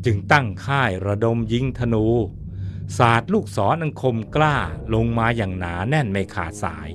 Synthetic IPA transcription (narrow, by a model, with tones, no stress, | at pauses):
t͡ɕɯ˧ŋt̪a˥˩ŋkʰaː˥˩jɾa˧do˧mji˨˦˥ŋt̪ʰa˧nuː˨˦ | saː˨˩t̪̚luː˥˩k̚sɔː˩˦nʔa˧ŋkʰo˧mklaː˥˩lo˧ŋmaː˧jaː˨˩ŋnaː˩˦nɛ˥˩nma˧kʰa̰ː˨˩t̪̚sa̰ː˩˦j